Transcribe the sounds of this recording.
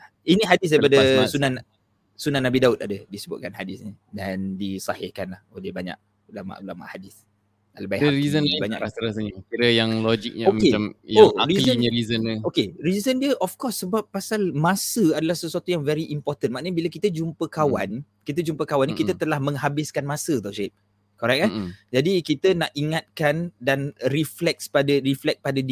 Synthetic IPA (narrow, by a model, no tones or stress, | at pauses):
iniɦadɪs̬dajpadəsunãn | sunãnːabidaʊt̪̚adədisəbʊt̪̚kanhadɪsɲi | dandisahɪkanlahodiəbaɲa̰ʔ̚ | ulama̰ʔulama̰ʔhadɪθ | a̰ləbajaɾizənbaɲaʔɾasəɾasəɲəkiɾəjaŋlod͡ʒik̚ɲomkeamjoaɾilzəɲəɾizənokeɾizəndiəʔɔfkɔsːəbap̚ːasalmãsəadalahsəsuwat̪ujaŋvɛɾiʔimpɔrt̪ənmaʔnəɲəbiləkit̪əd͡ʒumpəkawa̰n | kit̪̬əd͡ʒumpəkawankit̪ət̪əlahmə̃ŋɦabɪskanmãsət̪ɔʔʃet̚ | kɔɾɛk̚ad͡ʒadikit̪ənaʔiŋat̪̚kandanriflɛk̚spadaɾiflɛk̚padad